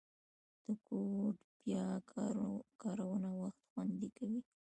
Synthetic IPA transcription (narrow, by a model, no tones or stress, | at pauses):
d̪̥əkoʈb̥jɑ | kɑɾawənawaxt̪xwand̪ekawi